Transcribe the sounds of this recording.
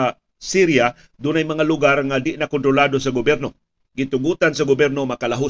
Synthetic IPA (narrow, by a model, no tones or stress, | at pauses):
siɾja | d̪ʊnɐjmɐŋalʊɡaɾŋad̪ɪnɐkont̪ɾolaːd̪osɐɡobjɛɾno̞ | ɡɪt̪ʊɡuːt̪ansɐɡʊbjɛɾno̞mɐkɐlaɦo